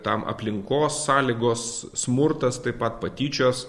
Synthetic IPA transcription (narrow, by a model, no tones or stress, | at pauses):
t̪ɐmʔɐ̰pʲlʲɪŋkoːsːɑːlʲiɡoːssmʊɾt̪ɐst̪ɐɪppɐt̪pɐt̪ʲiːt͡ʃʲoːs